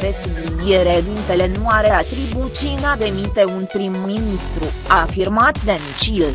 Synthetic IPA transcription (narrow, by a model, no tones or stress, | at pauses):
ɾe̞suund̪ie̞ɾed̪int̪e̞le̞nuaɾeat̪ɾibut͡ʃiɨnad̪e̞mit̪e̞unpɾimminist̪ɾuafirmat̪d̪ent͡ʃil